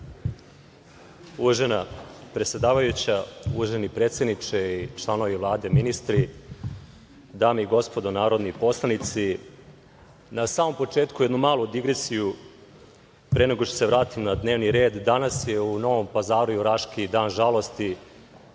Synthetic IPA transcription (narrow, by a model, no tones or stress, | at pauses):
uʒenapɾet̪sʲje̞d̪aːʋajut͡ɕauːʒenipɾe̞ːt̪sje̞d̪nit͡ʂeit͡ʂlˠano̞ʋivlˠaːd̪e̞minist̪ɾi | d̪aːmeiɡo̞spo̞d̪onaːɾod̪nipo̞slˠanit̪si | nasaːmo̞mpo̞t͡ʂe̞ːt̪kujed̪numaːlˠud̪iɡɾesiju | pɾeneɡo̞ʃt̪o̥se̞ʋɾaːt̪imnad̪ne̞ːʋniɾe̞ːd̪ːanasje̞uno̞ʋo̞mpazaːɾujuɾaʂkid̪aːnʒalˠo̞st̪i